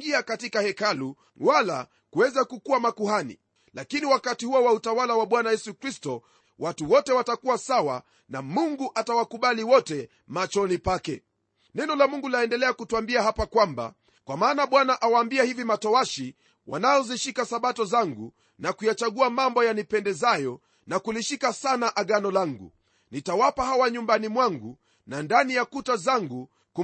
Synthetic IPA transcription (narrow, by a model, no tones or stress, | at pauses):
ŋɡiakatikahɛkalu | wala̰ | kuwɛzakukuamakuɦanḭ | lakiniwakatihuɔwautawalawaɓwanajɛsukɾistɔ | wʔatuwɔtɛwatakuwasawa̰ | namuŋɡuʔatawakuɓaliwɔtɛ | mat͡ʃɔnipakɛ | nɛnɔlamuŋɡulaɛndɛlɛakutuambiaɦapakwamba̰ | kwamaːnaɓwanaʔawaːmbiahivimatɔaʃi | wʔa̰najɔziʃikasaɓatɔzaŋɡu | nakujat͡ʃaɠuamambɔjanipɛndɛzajɔ | nakuliʃikasanaʔaɠanɔlaŋɡṵ | nitawapahawaɲumbanimwaŋɡu | nandanijakutazaŋɡu | ku